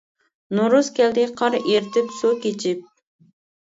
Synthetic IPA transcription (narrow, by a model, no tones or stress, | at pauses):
noɾuskʲɛld̪ɪqʰɑɾeɾt̪ʰɪpsukʲet͡ʃʰɪp̚